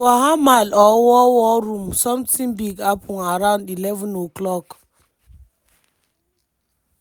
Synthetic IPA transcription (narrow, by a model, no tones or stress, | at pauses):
waɦamalɔwɔwɔɾumsɔ̃mtĩŋbiɡapʰɔŋaɾãʊndilɛvə̃noklɔk